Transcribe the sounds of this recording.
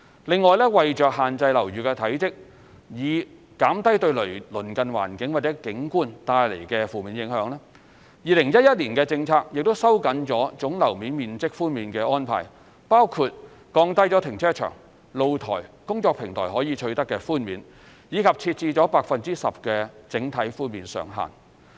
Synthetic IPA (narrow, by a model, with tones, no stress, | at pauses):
lɪ˨˧ŋːɔː˨jlɛː˥wɐ˨jt͡ʃœː˨k̚hɦaː˨nt͡sɐ˧jlɐ˨˩wɥyː˨kɛ˧t̪ʰɐ˨˥jt͡sɪ˥k̚ | jiː˨˧ | kaː˨˥mt̪ɐ˥jt̪ɵ˧ɥlɵ˨˩ɥlɵ˨˩nkɐ˨nwa̰ː˨˩nkɪ˨˥ŋwaː˨t̚t͡sɛ˨˥kɪ˨˥ŋkuː˥nt̪aː˧jle˨˩jkɛː˧fuː˨miː˨˧njɪ˨˥ŋhœː˨˥ŋlɛː˥ | jiː˨lɪ˨˩ŋjɐ˥t̚jɐ˥t̚liː˨˩nkɛː˧t͡sɪ˧ŋt͡sʰaː˧k̚jɪ˨k̚t̪o˥wsɐ˥wkɐ˨˥nt͡sɔː˨˥t͡sʊ˨˥ŋlɐ˨˩wmiː˨˥nmiː˨nt͡sɪ˥k̚fuː˥nmiː˨˧nkɛː˧ʔɔː˥npʰa̰ː˨j | paː˥wkʰu˧t̚ | kɔː˧ŋt̪ɐ˥jt͡ʃɔː˨˥t̪ʰɪ˨˩ŋt͡ʃʰɛː˥t͡ʃʰœ̰ː˨˩ŋ | lo˨˧wt̪ʰɔ̰ː˨˩jkʊ˥ŋt͡sɔː˧k̚pʰɪ˨ŋt̪ʰɔ̰ː˨˩jɦɔː˨˥jiː˨˧t͡ʃʰɵ˧ɥt̪ɐ˥kːɛ˧fuː˥nmḭː˨˧n | jiː˨˧kʰɐ˨p̚t͡sʰiː˧t̚t͡siː˧t͡sɔː˨˥paː˧k̚fɐ˨nt͡siː˥sɐ˨p̚kɛː˧t͡sɪ˨˥ŋt̪ʰɐ˨˥jfuː˥nmiː˨˧nsœ̰ː˨ŋɦa̰ː˨˩n